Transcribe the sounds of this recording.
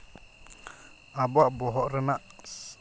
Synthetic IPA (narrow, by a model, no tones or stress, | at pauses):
abaʔbɔɦɔʔɾɛnaʔ